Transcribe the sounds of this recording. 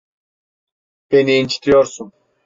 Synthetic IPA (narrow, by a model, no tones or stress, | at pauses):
beniːnt͡ʃʰi̥t̪ʰijoɾsʊm